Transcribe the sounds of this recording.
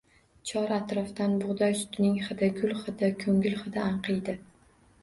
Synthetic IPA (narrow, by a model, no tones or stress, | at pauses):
t͡ʃʰɒɾat̪ɾɒft̪anbʊʁd̪ɒjsʊ̥t̪nɪŋχɨd̪aɡʊlχɨd̪akʰɵŋʲɪlχɨd̪aaɴqʰɨjd̪ɪ